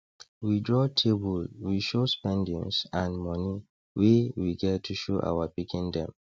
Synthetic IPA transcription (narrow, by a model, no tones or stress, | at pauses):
widɹɔtʰebɔlwiʃospɛ̃ndḭ̃nsãnmɔni | wewiɡɛtʰuʃoʔa̰wapikĩndɛ̰̃m